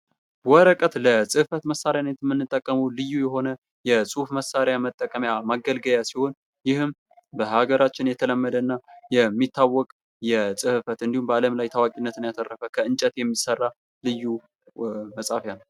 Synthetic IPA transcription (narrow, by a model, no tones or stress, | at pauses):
wɔɾəkʼət̪ləsʼɨhfət̪məsaɾjanet̪mːɨnːɨt̪ʼːəkʼːəməlɨjːujɛɦo̞nə | jɛsʼufməsːaɾjamət̪ʼːəkʼəmjamaɡəlɡəjasiho̞n | jɪhɨm | bəhaɡəɾat͡ʃːɪnjɛt̪ʰələmːəd̪ənːajɛmːit̪ʰːawːɔkʼ | jɛsʼɨhɨfət̪ɨnd̪ihumbəaləmlajt̪ʰawakʼinːət̪ʰɨnjat̪ʰərːəfəkʰəɨnt͡ʃʼɛt̪jɛmːisərːa | lɨjːu | məsʼafjan